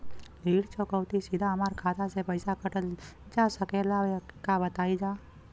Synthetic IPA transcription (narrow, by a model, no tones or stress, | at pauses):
liɽt͡ʃʰokəwt̪isid̪ʱaəmaɾkʰat̪at͡ʃʰepəjsakəʈəld͡ʒasəkelaʋekabət̪aid͡ʒa